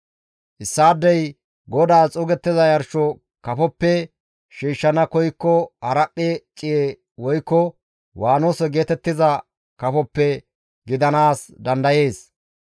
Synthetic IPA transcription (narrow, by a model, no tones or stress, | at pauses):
ʔɪsːaːd̪ːɛj | ɡɔd̪aːt͡sʼuɡɛt̪ːɪzɐjɐɾʃɔ | kɐfɔpːɛ | ʃiːʃːɐnɐkɔjkːɔhɐɾɐpʼːɛt͡ʃʼɪje | wɔjkːɔ | waːnoːsɔɡe̞ːt̪ɛt̪ːɪzɐ | kɐfɔpːɛ | ɡɪd̪ɐnaːsd̪ɐnd̪ɐje̞ːs